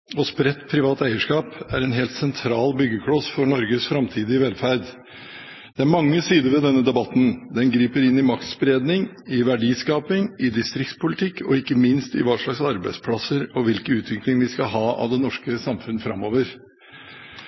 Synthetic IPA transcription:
ɔspɾɛt̪ːpʰɾɪʋɑːt̪æɪəʂkɑːpæɾɛnɦeːlt̪sɛnt̪ʰɾɑːlbʏɡːəkʰɽɔsfɔɾɳɔɾɡəsfɾɑmt̪ʰiːd̪ɪʋɛlfæɾɖ̪ | d̪̥ɛæɾmɑŋːəsiːd̪əɾʋɛd̪ɛnːəd̪ɛbɑt̪ːn̩d̪ɛnɡɾiːpəɾɪnːɪmɑkt̪sbɾeːd̪nɪŋ | ɪʋæɖiːskɑːpɪŋɪd̪ɪst̪ɾɪkt̪spʰʊlɪt̪ʰɪkːɔɪkːəmɪnst̪ɪ̰ʋɑːʂɭɑɡsɑɾbæɪd̪spʰɽɑsəɾɔʋɪlkəʉːt̪ʋɪklɪŋʋɪskɑɦɑːɑ̰ʋd̪ɛnɔʂkəsɑmfʉnːəfɾɑmːoːʋəɾ

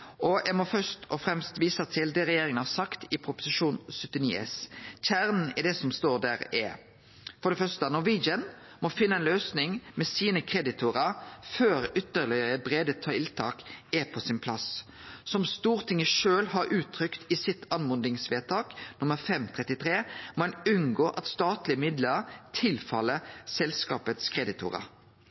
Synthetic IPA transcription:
ʔɔɛmɔfœst̪ɔfɾɛmst̪ʋiːsəɑt̪ʰɪld̪ɛʁɛjeːɾɪŋənhɑsɑkt̪ɪpʰɾʊpʊ̥sɪʃuːnsœt̪ːɪniːɛ̰sçæːʁnn̩ɛd̪ɛsɔmst̪oːd̪æːɾɛ̰ | fɔɾɖ̪ɛfœʂt̪ənɔʋid͡ʒən | mɔfɪnːəɛnløːsnɪŋmɛsiːnəkʰɾɛd̪ɪt̪ʰʊɾəɾføːɾʏt̪ːəɾlɪɾəbɾeːd̪ət̪ʰɑɪlt̪ʰɑ̰ːkɛpʰɔsɪnpʰlɑs | sɔmst̪uːʁt̪ʰɪŋːəʃøːlɦɑɾʔʉːt̪ʰːɾʏkt̪ɪsɪt̪ʰːɑnmʊnd̪ɪŋsʋeːt̪ʰɑːknʊməɾfɛmt̪ʰʁɛt̪ːɪt̪ʰʁeːmɛnʉnɡoːʔɑt̪st̪ɑːt̪lɪəmɪd̪ləɾt̪ʰɪlfɑlːəsɛlskɑ̰ːpət̪skʰʁɛd̪ɪt̪ʰʊ̰ːʁə̰ɾ

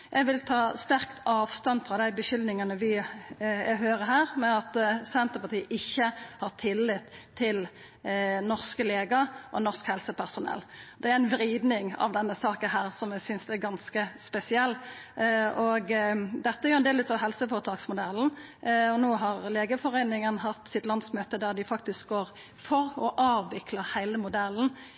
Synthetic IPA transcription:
jʔæɡʋɪlt̪ʰɑːst̪æɾkt̪ʰɑːʋst̪ɑnfʁɑːd̪æɪbəɕʏlnɪŋɑnəʋɪ | ɛɦøːɾəɦæːɾmɛɑt̪sɛnt̪əɾpɑʁt̪ʰiːʔɪçːəhɑʁt̪ʰɪlːɪt̪ʰːɪl | nɔʁskəleːɡəʔɔ̰nɔʁskhɛlsəpʰæʁsʊnɛ̰lːd̪ɛæɾɪnʋɾiːd̪nɪŋɑ̰ʋd̪ɛnːəsɑːkənɦæːʁsɔmjɛsʏnsd̪ɛæɡɑnskəspɛsɪɛlː | ɔɡd̪ɛt̪ːəæɛʁjʊɛnd̪eːlʉːt̪ɑʋɦɛlsəfɔʁət̪ʰɑːksmʊd̪ɛln̩ | ɔnoːɦɑʁleːɡəfɔʁeɪnɪŋənɦɑt̪ːsɪt̪lɑnsmøːt̪əd̪æʁd̪ɪfɑk̚t̪ɪsk̚ɡoːɾ | fɔɾɔʔɑːʋʋɪkləɾhæɪləmʊd̪ɛln̩

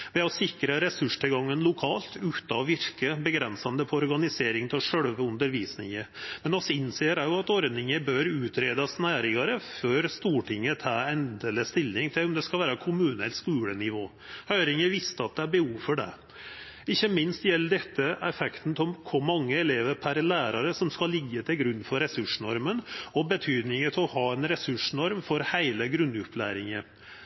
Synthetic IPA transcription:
ʋɛɔsɪkɾəɾɛsʉʂʈ̪ʰɪɡɑŋːənlʊkʰɑːlt̪ʉːt̪ɑɔʋɪɾkəbəɡɾɛnsɑnd̪əpʰɔɔɾɡɑnɪseːɾɪŋt̪ʰɪlʂœɽʋʉnd̪əɾʋiːsnɪ̰ŋəɾmɛnɔsɪnːseːəɾæjʊɑt̪ɔɾd̪nɪŋəbøːɾʉːt̪ɾeːd̪ɑsnæːɾɪŋɑɾəføːɾst̪uːʈɪŋːət̪ʰɑːɛnd̪ɛləst̪ɪlːɪŋt̪ʰɪlɔmd̪ɛskɑlʋæːɾəkʰʊmʉːnəɛ̰lt̪skʉːlənɪʋoː | hœʏɾɪŋəʋɪst̪əɑt̪̚d̪ɛæɾbəhuːʋfɔɖɛ̰ | ɪçːəmɪnst̪jɛlːəɖɛt̪ːəɛfɛkt̪n̩t̪ʰɔmkʰʊmɑŋːəɛleːʋəɾpʰæɾlæːɾɑɾəsɔmskɑlːɪɡːət̪ʰɪlɡɾʉnːfɔɾɛsʉʂɳɔɾmənɔbət̪ʰyːd̪nɪŋət̪ʰɪɔhɑːɛnɾɛsʉʂɳɔɾmfɔɾhæɪləɡɾʉnːʉplæ̰ːɾɪŋə

